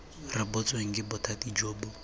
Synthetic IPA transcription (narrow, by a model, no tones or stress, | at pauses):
rɪbɔt͡sʼweŋ̩ɡɪbɔtʰatid͡ʒoːbʊ